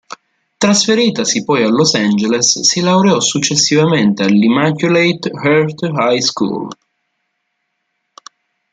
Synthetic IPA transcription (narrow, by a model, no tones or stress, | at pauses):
t̪ɾasfeɾiːt̪asipɔjalːosand͡ʒelesːilawɾeɔsut͡ʃːesːivament̪ealːimakjulejt̪hɛɾt̪hajskṵl